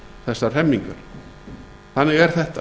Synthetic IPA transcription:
θɛsːar̥ɛmːiŋkʏɾ̥ | θanːɪɣɛɾ̥θɛht̪a

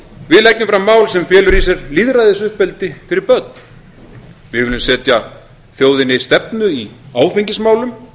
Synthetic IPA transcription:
vɪðlɛknʏmfɾamːaːwlsɛmfjɛːlʏɾis̬ɛɾliðɾajðɪsʏhpɛlt̪ɪfɪɾɪɾpœt̪̚n | vɪðvɪlʏmsɛːt̪ja | θjoːwðɪnɪst̪ɛpnʏiaːwfiɲcɪsmaːwlʏm

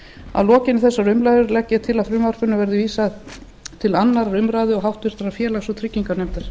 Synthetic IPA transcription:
a̰vlɔːcɪnɪθɛsːarʏmlajðʏɾlɛcːɛt̪ʰɪlaðfɾʏːmar̥kʏnʏvɛɾðɪviːsað | t̪ʰɪlanːaɾɾʏmɾaːðɪɔɣɦawht̪vɪɾ̥t̪aɾaɾfjɛːlaɣsɔt̪ʰɾɪcːiŋkaɾnejmt̪ɪɾ̥

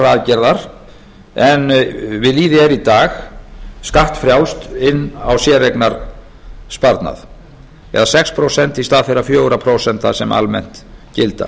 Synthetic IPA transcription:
raːðcɛɾðaɾ̥ | ɛnvɪðliːðɪɛɾit̪aːxskaht̪fɾjawst̪ɪnːa̰wsjɛːreknaɾ | spaɾt̪na̰ð | ɛ̰ðasɛkspʰɾowsɛnt̪ist̪aːðfeɾafjœːɣɾapʰɾowsɛnt̪asɛma̰lmɛ̰n̥t̪cɪlt̪a̰

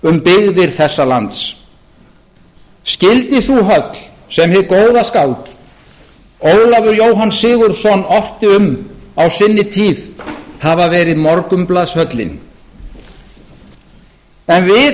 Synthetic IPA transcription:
ʏmpɪɣðɪɾ̥θɛsːalant̪s | scɪlt̪ɪθuɦœt̪l̥ | sɛmhɛðkoːwðaskawt̪ | oːwlavʏɾjowɦansɪːɣʏɾ̥sɔnːɔht̪ɪʏmawsɪnːɪt̪ʰiːvhavavɛːɾɪðmɔɾkʏmplaðshœt̪lɪ̰n | ɛnvɪ

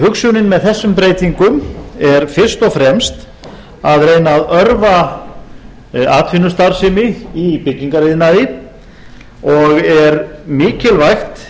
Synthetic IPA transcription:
hʏksjuwnɪnmɛðθɛsːʏmpɾeːjt̪iŋkʏmɛɾ̥fɪr̥st̪ɔfɾɛmst̪ | aðɾeːjnaːðœɾva | aːt̪fɪnʏst̪aɾ̥sɪmɪipɪcːiŋkaɾeːðɪnaɪ | ɔɣɛɾmɪːcɪlvajxt̪

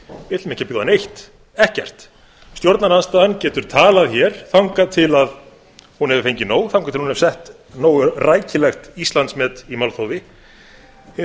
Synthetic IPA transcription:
ɪt̪lmɛhcɪɾpɪɣðanejht̪ | ɛhcɛ̰r̥t̪ | st̪jɔɾt̪nanaðst̪aːðancɛːt̪ʏɾ̥t̪ʰaːlaðçɛɾ̥θawŋkat̪ʰɪlað | hunɦɛvʏfejɲcɪnoːwθawŋkat̪ʰɪlhunɛvɾsɛht̪ | noːwʏraːjcɪlɛxt̪ist̪lant̪smɛːt̪imalθowðɪ

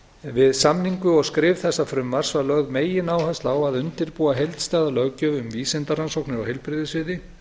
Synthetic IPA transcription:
vɪðsamniŋkʏɔɣskɾɪːvθɛsːafɾʏmːar̥svaɾlœɣmeːjɪnaːwhast̪laːwaðʏnt̪ɪɾpuːaɦejlt̪st̪aːðalœɣcœːvʏmviːsɪnt̪aɾransowknɪɾawɦejlpɾɪðɪsvɪːðɪ

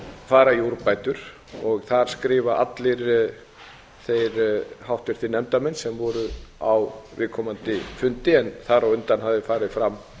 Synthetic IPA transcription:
faːɾajuɾpaːjt̪ʏɾ̥ | ɔɣθaɾ̥skɾɪːvaʔa̰t̪lɪɾ | θejɾhawht̪vɪɾ̥θinɛmt̪amɛnsɛmvɔɾʏawvɪðkʰɔmant̪ɪfʏnt̪ɪɛnθaɾawʏnt̪anɦavðɪfaːɾɪfɾamː

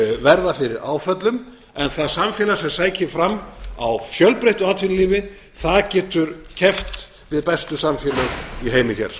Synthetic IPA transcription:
vɛɾðafɪɾɪɾa̰ːwfœt̪lʏm | ɛnθaðsamfjɛːlasɛmsaːjcʰɪfɾamːa̰wfjœlpɾejht̪ɔat̪finliːvɪ | θaðcɛːt̪ʏɾcʰɛft̪ | vɪðpɛst̪ʏsamfjɛːlʏiɦeːjmɪçɛ̰ɾ̥

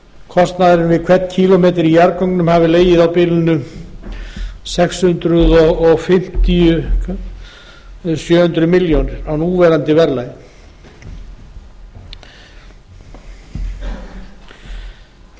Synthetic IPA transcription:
kʰɔst̪naðɾɪnvɪðkʰvɛt̪cʰilɔmeːt̪̬ɪɾijaɾkowŋknʏmhaːvɪleːjɪðawpɪlʏnʏ | sɛkshʏnt̪ɾʏðɔɣːɣfɪm̥t̪iʏ | sjœːhʏnt̪ɾʏmɪljownɪɾawnuːvɛːɾant̪ɪvɛɾlaj

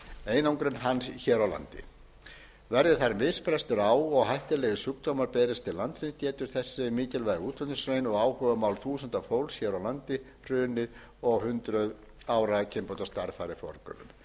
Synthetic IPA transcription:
eːjnawŋkɾenɦançɛːɾawla̰nt̪ɪ̰ | vɛɾðɪθaɾmɪðspɾɛst̪ʏɾaːwɔɣɦajht̪ɪlɛːɣɪsʏkt̪owmaɾpɛːɾɪst̪ʰɪlːant̪sinst̪jɛːt̪ʏɾ̥θɛsːɪmiːc̪ɪlvaːjɣɪuːt̪ʰvœnʏsɾeːjnɔɣaːwhœːvʏmawlθuːsənt̪afowlsçɛːɾawlant̪ɪ | r̥ʏːnɪð | ɔɣhʏnt̪ɾʏð | aːwɾacʰɪmpowt̪ast̪aɾfaːɾɪfɔ̰ɾkœ̰ɾʏ̰m

